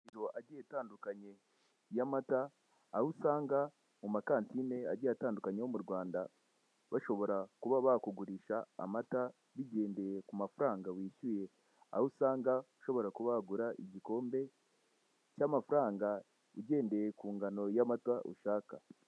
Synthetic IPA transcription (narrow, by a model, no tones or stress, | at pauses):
iɾo̞ʔaɟietaːndukaɲe̞ | jamataː | husaːŋɡa | mumakaːntine̞a̰ɟiataːndukaɲewomuɾɡwaːnda | βaʃo̞βo̞ɾakuβaβakuɡuɾiʃa̰ːmata | βiɟe̞ːnde̞je̞kumafuɾaːŋɡawiːʃuje̞ | a̰husaːŋɡauʃo̞βo̞ɾakuβaɡuɾaʔiɟiko̞ːmbe̞ | camafuɾaːŋɡa | uɟe̞ːnde̞jekuːŋɡano̞jamatwaʔṵʃaːka